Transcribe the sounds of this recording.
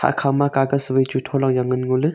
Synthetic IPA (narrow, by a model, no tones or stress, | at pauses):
hʰa̰kʰamakaɡaswɯjt͡ʃutʰɔlaŋjaŋɯnŋolɯ